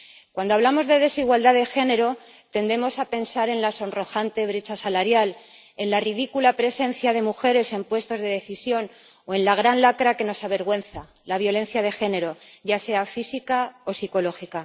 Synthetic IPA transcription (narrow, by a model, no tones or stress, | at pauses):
kwand̪oaβlamo̞zðe̞ðe̞siɣwald̪aðe̞xe̞ne̞ɾo̞ | t̪e̞nd̪e̞mo̞sape̞nsaɾe̞nlaso̞nro̞xant̪e̞β̞ɾe̞t͡ʃasalaɾjal | e̞nlarið̞ikulapɾe̞se̞nθjað̞e̞muxe̞ɾe̞se̞mpwe̞st̪o̞zðe̞ðe̞θisjo̞n | oe̞nlaɣ̞ɾanlakɾake̞no̞saβ̞e̞ɾɣwe̞nθa | laβ̞jo̞le̞nθjað̞e̞xe̞ne̞ɾo̞ɟ͡ʝase̞afisikao̞siko̞lo̞xika